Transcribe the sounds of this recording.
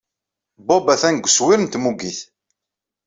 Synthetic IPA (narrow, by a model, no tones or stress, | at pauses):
bobæθænɡʷəswiɾnt̪muɡiθ